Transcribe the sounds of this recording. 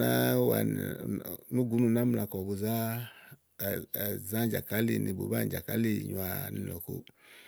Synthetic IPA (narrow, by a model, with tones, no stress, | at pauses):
a˦wa̰˨ | nu˦ɡu˨˦nu˨na˦mu˦la˨kɔ˨bo˨za˦˨ | za˦d͡ʒa˨ka˦lḭ˨ni˨bo̰˨ba˦˨d͡ʒa˨ka˦li˦˨ɲu˨a˨ni˨ɔ˨ko̰˨˦